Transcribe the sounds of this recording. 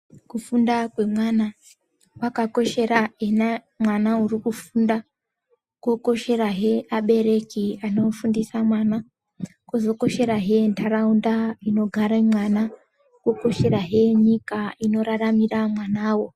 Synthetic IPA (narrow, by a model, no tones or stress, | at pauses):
kufundakwe̞mwana | wakako̞ʃe̞ɾaena | mwanaurikufunda | kwo̞ko̞ʃe̞ɾaɦe̞ʔaɓe̞ɾe̞kiano̞fundisamwana | kozo̞ko̞ʃe̞ɾaɦe̞ntʰaraundaino̞ɡʱaɾamwana | kwoko̞ʃe̞ɾaɦe̞ɲikaino̞ɾaramiramwanaːwo̞